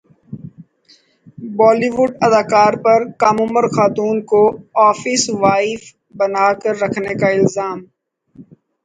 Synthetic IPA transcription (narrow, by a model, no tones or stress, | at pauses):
bɔːliʋʊɖɐd̪aːkaːɾpɐɾkaːmʊməɾxaːt̪uːnkoɔːfɪsʋaːɪf | bɐnaːkɐɾːɐkʰnekaɪlzaːm